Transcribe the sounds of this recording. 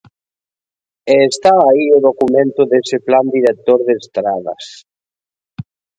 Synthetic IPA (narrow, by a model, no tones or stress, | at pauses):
eːst̪aːioðokumẽnt̪ʊðesɪpland̪iɾek̚t̪oɾðest̪ɾaðɐ̰s